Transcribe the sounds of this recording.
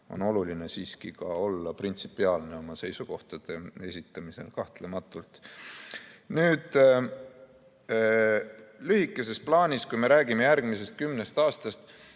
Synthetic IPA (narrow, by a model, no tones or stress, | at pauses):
o̞̰no̞luline̞siːskikɑo̞lːɑprint̪sipːˑiɑːlne̞o̞mɑse̞jsuko̞ht̪ɑd̪̥e̞e̞sʲit̪ːˑɑmise̞̰lkɑht̪le̞mɑt̪ːˑult̪ˑ | nyːd̪̥ | lyhikˑːe̞se̞splɑːnʲiskujme̞ɾæːɡ̥ime̞jæɾɡ̥mise̞st̪̚kymne̞st̪ɑːst̪ɑst̪